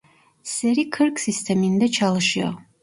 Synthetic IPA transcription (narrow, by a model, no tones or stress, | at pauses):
sɛɾikʰɨɾkʰsist̪ʰɛmind̪ɛt͡ʃʰalˠɨʃia̰